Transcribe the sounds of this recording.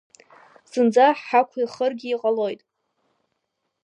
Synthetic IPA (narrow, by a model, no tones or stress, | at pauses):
sɨnd͡zaħħakʷʰiχərɡʲiːqʼalo̞jtʼ